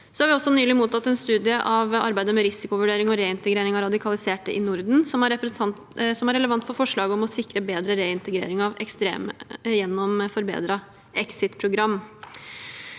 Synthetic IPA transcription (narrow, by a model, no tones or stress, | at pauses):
sɔhɑɾʋɪɔsːɔnyːlɪmuːt̪ɑt̪ːɛnst̪ʉːd̪ɪəʔɑʋɑ̰ɾbæɪd̪əmɛɾɪsɪkʊʋʉɖeːɾɪŋɔɾeːɪnt̪əɡɾeːɾɪŋɑɾɑd̪ɪkʰɑlɪseːʈə̰ʔɪnʊɾd̪n̩sɔmæɾɛ | sɔmæɾɛləʋɑnt̪fɔɾfɔʂɭɑːɡəɔmɔsɪkːɾəbeːd̪ɾəɾeːɪnt̪əɡɾḛːɾɪŋɑʋɛkst̪ɾḛːməjɛnːɔmfɔɾbḛːd̪ɾɑ | ʔɛksɪt̪pʰɾʊɡɾɑmː